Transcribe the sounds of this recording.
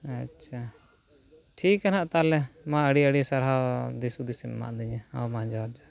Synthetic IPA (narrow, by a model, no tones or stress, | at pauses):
atːʃʰa | ʈʰikːanaʔt̪alɛmãəɽiəɽisaɾɦad̪isud̪isimma̰ʔd̪iɲɛa̰wmãd͡ʒaɾd͡ʒa